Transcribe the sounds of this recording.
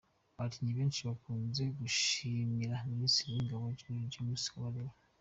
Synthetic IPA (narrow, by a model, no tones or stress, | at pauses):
βatʰiɲiβe̞ːnʃiβakuːnze̞ɡuʃimiɾaminisiɾijiŋɡaβoinɟomusi̥kwaɾeɾa